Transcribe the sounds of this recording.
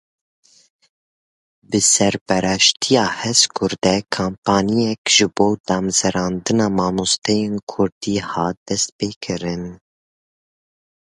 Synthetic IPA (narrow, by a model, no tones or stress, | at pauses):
bɨsɛɾbɛɾɛʃt̪ʰijɑːhɛskʰʊɾd̪ɛkʰaːmpʰɑːnijɛkʒɨboːd̪ɑːmzɛɾɑːnd̪ɨnɑːmɑːmust̪ɛjeːnkʰʊɾd̪̥iːhɑːt̪̚d̪̥ɛst̪̚peːkʰɨɾɨn